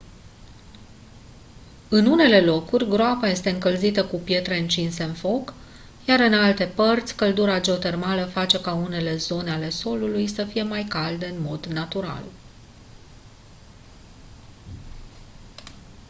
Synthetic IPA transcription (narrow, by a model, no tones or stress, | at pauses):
ɨnune̞le̞lo̞kurʲɡɾoapaje̞st̪e̞ɨŋkəlzit̪əkupje̞t̪ɾe̞ɨnt͡ʃinse̞ɨnfo̞k | jaɾɨnalt̪e̞pərt̪sʲkəld̪uɾad͡ʒe̞ot̪e̞rmaləfat͡ʃe̞kaune̞le̞zo̞neale̞so̞lulujsəfije̞majkald̪eɨnmo̞d̪nat̪uɾa̰l